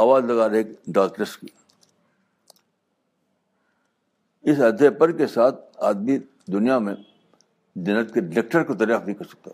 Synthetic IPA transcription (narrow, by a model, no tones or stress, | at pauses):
aːʋaːzlɐɡaːɾeːkɖaːkʈɾəski | ɪsɐd̪ʱepɐɾkesaːt̪̚ʰaːd̪̚mi | d̪ʊnijamẽ | d͡ʒɐnːət̪̚keɖek̚ʈəɾkod̪ɐɾjaːfnĩkɐɾsɐ̥k̚t̪a